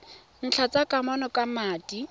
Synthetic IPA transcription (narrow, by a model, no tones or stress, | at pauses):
n̩t͡ɬʰat͡sakʼamɔnɔkamaːtʼi